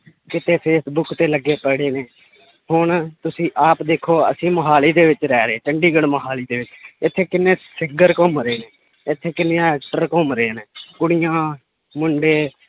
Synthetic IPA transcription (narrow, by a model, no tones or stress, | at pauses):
kɪt̪eːpʰeːsbʊkʰt̪eːləɡːeːpəɽeːneː | hʊɳt̪ʊsĩːʔaːpd̪eːkʰːoːə̰sĩːməɦaːliːd̪eːʋɪt͡ʃɾɛːɾeeːt͡ʃəɳɖiːɡəɽməɦaːliːd̪eːʋɪt͡ʃɪt̪ʰːeːkɪnːeːsɪɡəɾkɔmɾeːneː | ɪt̪ʰːeːkɪnejãːɛːk̚ʈəɾkɔmɾeeːneːkʊɽɪjãː | mʊɳɖeː